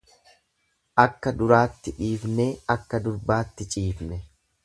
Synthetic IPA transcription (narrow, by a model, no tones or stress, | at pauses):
ʔɐkːɐd̪ʊɾaːt̪ːɪᶑiːfneːɐkːɐd̪ʊɾbaːt̪ːɪt͡ʃʼiːfnɛ